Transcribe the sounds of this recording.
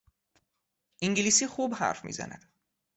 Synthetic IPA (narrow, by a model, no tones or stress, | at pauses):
ʔiŋɟiliːsiːxuːbhæ̰ɾfmḭːzæ̰næ̰d̪̥